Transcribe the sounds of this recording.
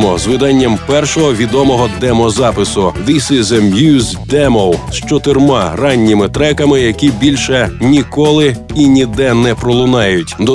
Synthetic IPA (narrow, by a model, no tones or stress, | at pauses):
mɔzʋɪd̪ɑnʲːɐmpɛrʃɔɦɔʋʲid̪ɔmɔɦɔd̪ɛmɔzɑpɪsʊʋisizɛmjuz | d̪ɛmɔwʃt͡ʃɔt̪ɪrmɑrɑnʲːimɪt̪ɾɛkɐmɪjɐkʲibʲilʲʃɛnʲikɔlˠɪinʲid̪ɛnɛpɾɔlˠʊnɑjʊtʲd̪ɔ